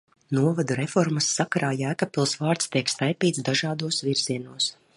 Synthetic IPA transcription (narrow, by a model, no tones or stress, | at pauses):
nuɔvad̪uɾefɔɾmasːakaɾaːjæːkapʲilˠsvaːɾt̪st̪iɛkst̪ajpiːt̪sd̪aʒɑːd̪uɔsviɾziɛnuɔs